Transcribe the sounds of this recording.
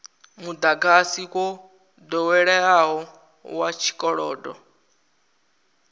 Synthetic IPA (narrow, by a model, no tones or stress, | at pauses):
mud̪aɡasikɔ | d̪ɔwɛɺɛaɦɔ | wat͡ʃʰi̥kʼɔɺɔːdɔ